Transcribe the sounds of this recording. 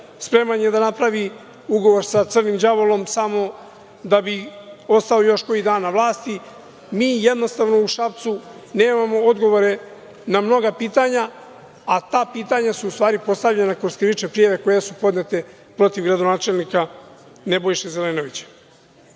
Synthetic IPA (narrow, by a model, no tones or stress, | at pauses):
spɾe̞manje̞d̪anapɾaʋi | uɡo̞ʋo̞ɾsat̪rnimd͡ʑaʋolo̞msamo̞ | d̪abio̞st̪aojo̞ʃko̞id̪aːnaʋlaːst̪i | miːje̞d̪nost̪aʋno̞uʃapt̪su | neːmamo̞od̪ɡo̞ʋo̞ɾe̞ | namno̞ɡapiːt̪aɲa | at̪aːpiːt̪aɲasuust̪ʋaːɾipo̞st̪avʎenakɾo̞skɾiʋit͡ʃepɾijaʋe̞ko̞jesupo̞d̪net̪e̞ | pɾo̞t̪iʋɡɾad̪onaːt͡ʃe̞lnika | ne̞bo̞jʃezele̞no̞ʋit͡ɕḁ